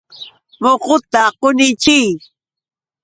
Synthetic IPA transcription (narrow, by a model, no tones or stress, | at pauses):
moqʊt̪aqonɪt͡ʃɪj